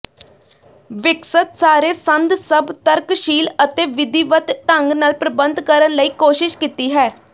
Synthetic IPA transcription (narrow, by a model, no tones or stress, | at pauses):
ʋɪksət̪saːɾeːsənd̪səbt̪əɾkʃiːlət̪eːʋɪd̪iːʋət̪ʈəŋɡnaːlpɾəbənd̪kəɾənləiːkoːʃɪʃkiːt̪iːɦɛː